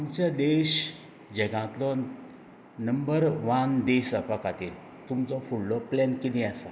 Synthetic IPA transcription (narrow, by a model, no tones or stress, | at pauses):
aɲt͡ɕad̪eɕ | d͡ʑɛɡãt̪lɔ | nəmbəɾʋand̪esapakat̪iːl | t̪umt͡sɔfuɽlɔplɛnkid̪ĩasa